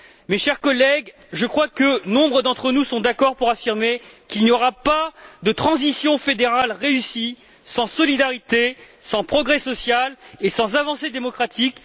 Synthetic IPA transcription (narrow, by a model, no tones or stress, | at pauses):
meʃɛʁkɔlɛɡ | ʒəkχwakənɔ̃bʁəd̪ɑ̃t̪χənusɔ̃d̪akɔʁpuʁafiʁmekilniɔʁapad̪ət̪χɑ̃zisjɔ̃fed̪eʁalʁeysi | sɑ̃sɔlid̪aʁit̪esɑ̃pχɔɡʁɛsɔsjalesɑ̃zavɑ̃sed̪emɔkχat̪ik